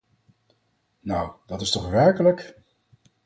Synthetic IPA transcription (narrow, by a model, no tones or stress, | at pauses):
nawdɑtɪstɔχʋɛɹkələk